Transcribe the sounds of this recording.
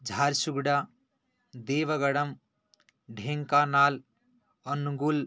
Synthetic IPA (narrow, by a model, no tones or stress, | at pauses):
d͡ʒʱaːɾsuɡɽa | d̪eːʋəɡəɽəm | ɖʱẽŋkanaːl | ənuɡul